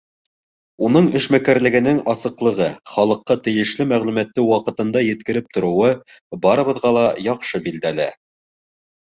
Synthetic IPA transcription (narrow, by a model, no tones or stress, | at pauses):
un̪ɤɴɘ̆ʃmækæɾlɘ̆ɡɘ̆nɘŋɑsɤ̆qlˠɤ̆ʁɤχɑlˠɤ̆qːɑt̪ɘ̆jɘ̆ʃlɘmæʁlʉmæt̪ːɘwɑqɤ̆t̪ɤ̆nd̪ɑjɘ̆t̪̚kɘ̆ɾɘp̚t̪ŏɾɤ̆wɤ | bɑɾɤ̆βɤ̆ðʁɑlˠɑjɑqʃɤbild̪ælæ